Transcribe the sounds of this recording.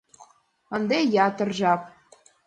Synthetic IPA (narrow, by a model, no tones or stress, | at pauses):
ə̆nd̪ejɑt̪ə̆rʒɑp̚